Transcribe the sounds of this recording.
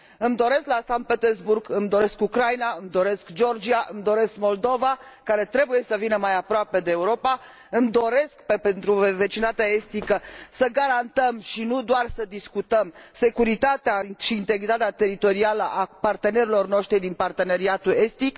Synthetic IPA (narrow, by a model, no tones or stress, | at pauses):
ɨmd̪o̞ɾe̞sklasan̚pet̪erzburɡɨmd̪o̞ɾe̞skukɾajnaɨmd̪o̞ɾe̞skd͡ʒo̞rd͡ʒiaʔɨmd̪o̞ɾe̞skmo̞ld̪o̞vakaɾe̞t̪ɾe̞buje̞səvinəmajapɾoape̞d̪e̞ːuɾo̞pa | ɨmd̪o̞ɾe̞skpepe̞nt̪ɾuve̞t͡ʃint̪at̪eae̞st̪ikəsəɡaɾant̪əmʃinud̪oarsəd̪iskut̪əmse̞kuɾit̪at̪eaʃiːnt̪e̞ɡɾit̪at̪eat̪e̞ɾit̪o̞ɾialəʔapart̪e̞ne̞ɾilo̞rno̞ʃt̪ɾid̪inpart̪e̞ne̞ɾiat̪ue̞st̪ik